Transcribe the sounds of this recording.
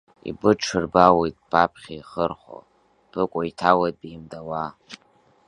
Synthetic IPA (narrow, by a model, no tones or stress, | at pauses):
ḭbɨʈ͡ʂʰɨrbawejtʼpʰʼapʰχʲaiχərχo̰ | pʰɨkʷʼoitʰawad̚bimdawa